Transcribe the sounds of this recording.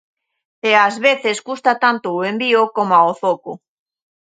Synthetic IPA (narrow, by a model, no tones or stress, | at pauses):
eazβeθesɣust̪at̪ant̪oːembiokomaoθoko